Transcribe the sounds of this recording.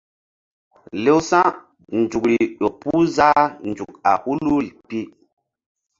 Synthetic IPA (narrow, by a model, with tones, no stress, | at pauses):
le˦wsã˦ | nd͡ʒu˨kɾi˨ɗo˨pu˦za˦nd͡ʒu˨k̚a̰˨hu˦lu˦ɾi˨pi˦